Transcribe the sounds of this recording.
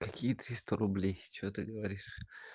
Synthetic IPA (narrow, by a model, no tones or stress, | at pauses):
kɐkʲijət̪ɾʲist̪əɾʊblʲejt͡ɕɪvot̪ɨɡəvɐɾʲiʂ